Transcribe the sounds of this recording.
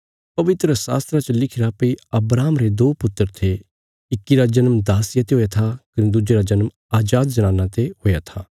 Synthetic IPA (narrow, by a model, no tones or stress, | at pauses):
pɐʋɪt̪ɾəsa̰ːst̪ɾat͡ʃəlɪkʰɪɾapɐiɐbɾaːmɾed̪oːpʊt̪ːəɾt̪ʰe | ɪkːiɾad͡ʒɐnmd̪aːsɪjat̪eɦoːjat̪ʰakɐnẽd̪ʊd͡ʒeɾad͡ʒɐnəm | aːd͡ʒaːd̪d͡ʒɐɽ̃ãːnãt̪eɦoːjat̪ʰaː